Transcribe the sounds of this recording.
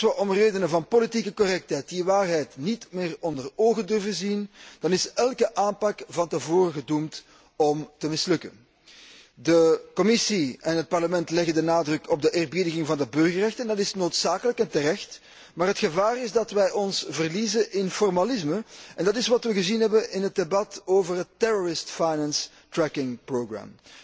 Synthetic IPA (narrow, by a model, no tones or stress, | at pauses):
ʋəʔɔmreːdənəvɑnpolitikəkɔrɛk̚tɛjt̚diʋaːrɦɛjtnitmɪːrɔndəroːɣədɵrvəzind̥ɑnɪsɛlˠkəʔaːnpɑkvɑntəvoːrəɣədumt | ɔmtəmɪslɵkə̰n | dəkɔmɪsiɛnɦət̚pɑrləmɛntlɛɣəndənaːdrɵkɔb̚dəʔɪːrbidəɣɪŋvɑndəbɵrɣərɛxtəndɑtɪsnoːtsaːkələkɛntərɛxt | maːrɦətxəvaːrɪzdɑtʋɛjʔɔnsvərlizəʔɪnfɔrmalɪsməɛndɑtɪsʋɑtʋəɣəzinɦɛbənɪnɦət̚debɑtoːvərɦətːɛɹɔɹɪstfajnɛns | tɹɛkɪŋproɡɹa̰m